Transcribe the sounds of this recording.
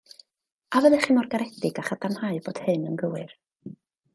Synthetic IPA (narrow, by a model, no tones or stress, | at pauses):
avəðɛχimɔrɡaɾɛd̥ɪɡaχadamhaɨb̥oːd̥hɨnənɡəwɨr